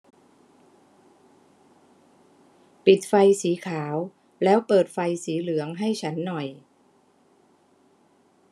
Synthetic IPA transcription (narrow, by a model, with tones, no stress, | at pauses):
pi˨˩t̪̚fa˧jsiː˩˦kʰaː˩˦w | lɛː˦˥wpɤː˨˩t̪̚fa˧jsiː˩˦lɯ˨˩˦əŋɦa˥˩jt͡ɕʰa˦˥nːɔ˨˩j